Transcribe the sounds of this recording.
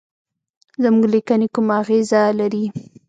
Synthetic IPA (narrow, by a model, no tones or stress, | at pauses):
zəmuɡlikanekumaːɣezalaɾi